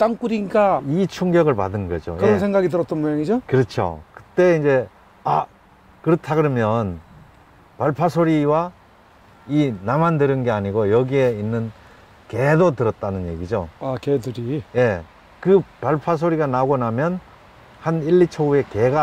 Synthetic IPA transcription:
t͈aŋk͈uɾiɲik͈ait͡ɕʰuŋɡjʌɡɯɭpadɯnɡʌ̰d͡ʑo̰kjɯɾeʌnnsʰeŋɡaɡitɯɾʌt͈̚ʌnmujaŋid͡ʑokɯɾʌt͡ɕʰjo̰kɯ̥t͈e̞ind͡ʑe̞ | a | kɯɾʌtʰaɡɯɾʌmjʌn | paɭpʰasʰoɾiwa | inamandɯɾɯnɡe̞aɲiɡojʌɡie̞inːɯn | ke̞dotɯɾʌt̚t͈anɯnje̞̰ɡid͡ʑoakedɯɾije̞ | kɯpaɭpʰas̬ʰoɾiɡanaɡonamjʌn | haniɭːit͡ɕʰoɡue̞keɡa

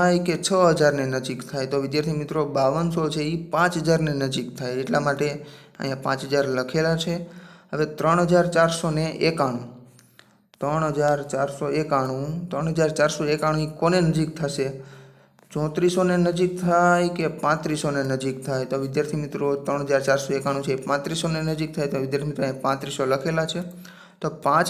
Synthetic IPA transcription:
ajket͡ʃʰəɦəd͡ʒaɾnenəd͡ʒikt̪ʰajt̪oʋɪd̪jaɾt̪ʰimɪt̪ɾobaʋənsot͡ʃʰeipãt͡ʃɦəd͡ʒaɾnenəd͡ʒikt̪ʰajeʈlamaʈe | ə̰ɦjãpã̰t͡ʃɦəd͡ʒaɾləkʰelat͡ʃʰeɦəʋet̪ɾəɳɦəd͡ʒaɾt͡ʃaɾsoneʔekaɽ̃ũ | t̪ɾəɳɦəd͡ʒaɾt͡ʃaɾsoekaɽ̃ũt̪ɾəɳɦəd͡ʒaɾt͡ʃaɾsoekaɽ̃ũikonenəd͡ʒik̚t̪ʰaʃe | t͡ʃɔ̃t̪ɾisonenəd͡ʒik̚t̪ʰajkepãt̪ɾisonenəd͡ʒikt̪ʰajt̪oʋɪd̪jaɾt̪ʰimit̪ɾot̪ɾəɳ̃ɦəd͡ʒaɾt͡ʃaɾsoekaɽ̃ũt͡ʃʰeːpãt̪ɾisonenəd͡ʒik̚t̪ʰajt̪oʋɪd̪jaɾt̪ʰimiɪt̪ɾoəɦj̃ãpãt̪ɾisoləkʰelat͡ʃʰe | t̪opãt͡ʃ

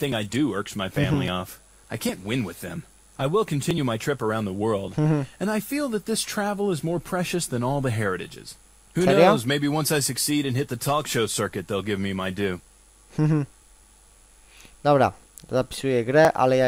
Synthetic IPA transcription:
θɪ̃ŋaɪdɨɜ˞ksmaɪfæ̃mlḭɔf | aɪkʰæ̃nʔwɪ̃nwɪðɨ̰̃m | aɪwɪlˠkʰɨ̃n̩tʰɪ̃njʉmaɪtʰɹ̥ɪpə˞ãʊ̃nðəwɜ˞lˠd̩ɨ̃naɪfilˠðɨt̪̚ðɪstʰɹ̥ævl̩ˠəzmɔɹpʰɹ̥ɛʃɨsðɨ̃nɔlˠðɨɦɛɹɨɾɨ̰d͡ʒɨ̰z̥ | huɛnoɾoʊzmeɪbiwʌ̃nsaɪsɨksiɾɨ̃nɦɪt̪̚ðɨtʰɔkʃoʊsɜ˞kɨt̪̚ðeɪlˠɡɪvmimaɪdʉ | h̩ɦ̩ | d̪awɾa̰ | zapsueɡɾɛʔa̰le

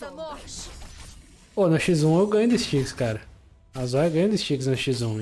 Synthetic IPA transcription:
onʊʃizũewɡɐ̃ɲʊd̪ɪst͡ʃikskaɾɐ | ɐzajɐɡɐ̃jʊd̪ɪst͡ʃiksnɐʃizũ

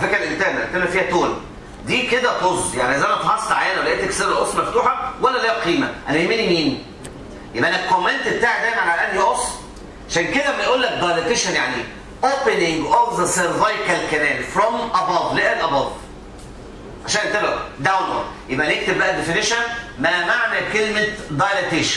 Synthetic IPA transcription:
fekɾælʔelt̪æːbææt̪elæfiːhæt̪oːl | d̪iːked̪æt̪ozjaʕniʔæzʔænæt̪hɑsˤːɑʕajːænwlæʔeːt̪ekseɾɑʔosˤmæft̪uːħɑwælːæleːæqiːmæʔænæhemːinimiːn | jebʔænælkomːent̪bet̪aːʕd̪æjmænʕalæʔænd̪iʔos | ʕaʃæːnked̪æmæjʔuːlːæk̚d̪ɑjlet̪eʃænjaʕni | ʔoːpenɪŋɡovðəseɾvajkælkæmæːlfɾɔmʔæbɑd̪ˤleʔælʔɑbɑd̪ˤ | ʕaʃæːnʔet̪ebæd̪awnlo̰d̪jebʔænek̚t̪eb̚bæʔæd̪efeneʃænmæmaʕmelkelment̪d̪ɑjlet̪eːʃæn

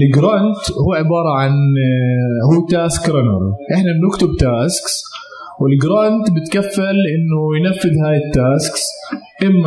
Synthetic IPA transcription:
lɡɾɑnt̪huːʕɪbɑːɾˤɑʕan | huːt̪aːskɾɑnɑ̰ɾˤʔɪħnabnʊkt̪ʊbt̪aːsks | wɪlɡɾɑnt̪bɪt̪kafːalʔɪnːʊjnafːɪðhaːjɪt̪ːaːsksʔɪmːa

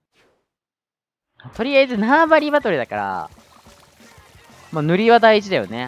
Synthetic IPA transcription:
at̪o̞ɾʲijaizɨnabaɾʲibat̪o̞ɾʲid̪akaɾa̰ | maːnɯ̟ɾʲiβad̪aiit͡ɕid̪ajo̞̰ne

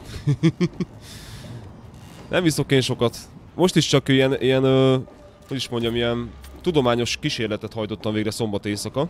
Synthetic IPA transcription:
nʔɛ̰mviso̞keːnʃo̞kɒt̪mo̞ʃt̪iʃt͡ʃɒkijɛnijɛnøː | ho̞ɟiʃmo̞ɲɟɒmiɛnt̪ud̪o̞maːɲo̞ʃkiʃeːrlɛt̪ɛt̪hɒjt̪o̞t̪ːɒmveːɡrɛso̞mbɒt̪eːsɒkɒ

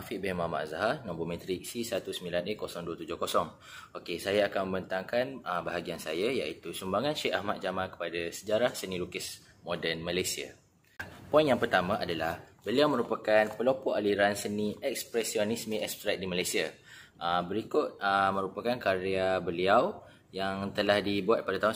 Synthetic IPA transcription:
afiʔbɛhmama̰ʔzaɦanɔ̃mbomɛ̃t̪ɾik̚sisat̪usəmbilanikosɔŋduwət̪ud͡ʒʊhkosɔŋ | okesajaakanmə̃mbənt̪aŋkanəbaɦaɡiansajajaʔit̪usumbaŋãnʃɛʔahmat̪̚d͡ʒamãnkə̥padasəd͡ʒaɾahsənĩlukəs | mɔdənməlajsia̰ | pɔĩnjaŋpərt̪amãʔadalahbəliawmə̃ɾupakanpəlopɔʔaliɾansənĩɛk̚spɾɛsionismĩɛkst̪ɾat̪̚dimalajsia | ʔəbəɾikʊt̪̚əmə̃ɾupakankaɾeabəliaw | jaŋt̪əlahdibuat̪̚padat̪aun

